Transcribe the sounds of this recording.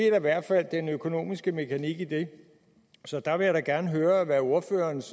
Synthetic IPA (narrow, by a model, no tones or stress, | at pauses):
e̝d̥ɑ̈iʋæɐ̰d̥fæl̰d̥enøkʰo̝no̝̰ːmisɡ̥əme̝kʰæniɡ̥id̥e̝ | sɒ̽d̥ɑ̈ʋe̝jaɾɑɡ̥æɐnəɦøːɐʋæo̝ɐfø̰ːɐːns